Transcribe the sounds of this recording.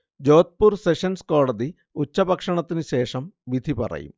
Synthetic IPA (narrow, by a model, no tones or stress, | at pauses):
d͡ʑoːt̪̚puɾseʂɐnskoːɽɐd̪i | ut͡ɕːɐbɐkʂɐɳɐt̪ːinɨɕeːʂɐmʋid̪ʱipɐ̰rɐ̰jḭm